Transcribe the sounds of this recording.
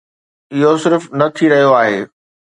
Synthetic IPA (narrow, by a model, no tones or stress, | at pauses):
ɪɦosɪɾfnɐt̪ʰiɾɐɦijoaːɦeː